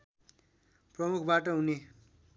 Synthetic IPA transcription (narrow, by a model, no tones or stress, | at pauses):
prʌmukʰbaʈ̬ʌɦune